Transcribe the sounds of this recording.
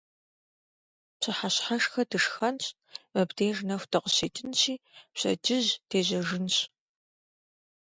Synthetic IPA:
pɕɨħaɕħaʂxɐdɨʂxɐnɕʼ | mɐbdeːʒnɐxʷtʰɐqəɕeːtʰɨnɕiːpɕɐ̰d͡ʒɪʑtʰeːʑɐʒɨnɕ

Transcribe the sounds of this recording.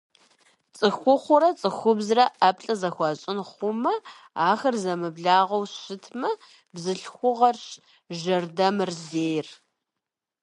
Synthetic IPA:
t͡sʼɨxʷʊχʷʊɾɐt͡sʼɨxʷʊbzrɐʔɐpɬʼɐzɐxʷɑɕʼɪnχʷʊmɐ | aːxɐrzɐmɨbɮaːʁɐwɕɪtʰmɐ | bzɨɬxʷʊʁɐrɕ | ʒɐrdɐmɨrzeːjr

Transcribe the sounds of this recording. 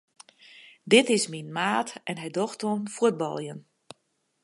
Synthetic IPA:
dɪtɪsminmaːtɛnɦɛjdoxtonfuəd̚bɔ̰lˠjən

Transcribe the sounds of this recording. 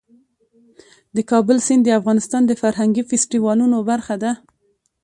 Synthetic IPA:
d̪əkɑbʊlsɪnd̪əafɣɑnɪst̪ɑnd̪əfaɾɦaŋɡifɪsʈiwɑlunobaɾxad̪a

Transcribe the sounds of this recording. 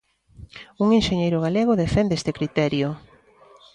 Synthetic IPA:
uŋenʃeɲejɾʊɣ̞aleɣʊðefend̪eest̪ekɾit̪ɛɾjʊ

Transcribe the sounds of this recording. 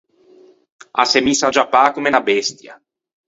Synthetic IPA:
a̰semisad͡ʒapːaːkumenabɛst̪ja̰

